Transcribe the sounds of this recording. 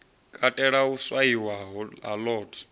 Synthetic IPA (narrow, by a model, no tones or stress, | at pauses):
kʼatʼɛɺauswaiwaɦa̰lɔːtʰɔ̥